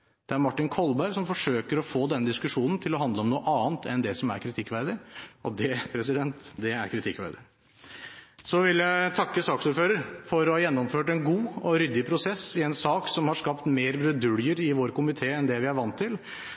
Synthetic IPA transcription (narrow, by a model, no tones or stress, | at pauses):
d̪̥ɛæɾmɑʈːɪnkʰɔlbæɪsɔmfɔʂøːkəɾɔfoːd̪ɛnːəd̪ɪskʉʂuːnən̩t̪ʰɪlɔɦɑnd̪ləɔmnuːəʔɑːnt̪ʰɛnd̪ɛsɔmæ̰ɾkʰɾɪt̪ʰɪkːʋæɪɾd̪əɾɔd̪ɛpʰɾɛs̬ɪd̪ɛnt̪d̪ɛæ̰ɾkʰɾɪt̪ʰɪkːʋæ̰ɪd̪əɾ | sɔʋɪljæɪt̪ʰɑkːəsɑːksuːɾføːɾəɾfɔɾɔhɑːjɛnːɔmføːʈɛnɡuːɔɾʏd̪ɪpʰɾʊsɛsːɪɛnsɑːksɔmhɑʂkɑpt̪meːɾbɾʉd̪ʉljəɾɪʋoːɾkʊmɪt̪ʰeːɛnd̪ɛʋɪæɾʋɑnt̪ʰːɪl